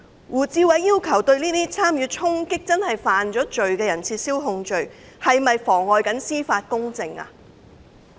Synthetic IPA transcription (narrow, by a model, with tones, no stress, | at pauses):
wuː˨˩t͡siː˧wɐ˨˥jːiː˥wkʰɐ˨˩wt̪ɵ˧ɥniː˥t̪iː˥t͡sʰaː˥mjyː˧t͡sʰʊ˥ŋkɪ˥k̚t͡sɐ˥nhɐ˨jfaː˨nt͡ʃɔː˨˥t͡ʃɵ˨ɥkɛː˧jɐ˨˩nt͡sʰiː˧t̚siː˥wɦʊ˧ŋt͡ʃɵ˨ɥ | hɐ˨jmɐ˨jfɔː˨˩ŋɔː˨jkɐ˨˥nsiː˥faː˧t̚kʊ˥ŋt͡sɪ˨˧ŋa̰˧